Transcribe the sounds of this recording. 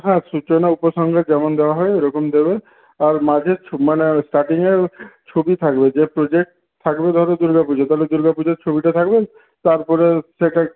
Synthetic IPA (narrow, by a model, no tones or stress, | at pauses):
ɦãsut͡ʃɔnaupɔsɔŋɡʱad͡ʒemɔnd̪ebaɦɔeɾɔkɔmd̪ebe | aɾmad͡ʒʱet͡ʃʰmanesʈaɾʈiŋet͡ʃʰobit̪ʰakbed͡ʒepɾod͡ʒek̚ʈ | t̪ʰːakbed̪ʱaɾɔd̪uɾɡapud͡ʒɔt̪aɦled̪uɾɡapud͡ʒet͡ʃʰobiʈat̪ʰakbe | t̪aɾpɔɾeseʈa